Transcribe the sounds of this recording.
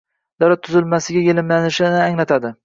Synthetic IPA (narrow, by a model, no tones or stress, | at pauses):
d̪̥aɾat̪ʰːʊzɪlmasɪɡʲajelɪmlanɪʃɪnɪaŋlat̪ʰad̪ɪ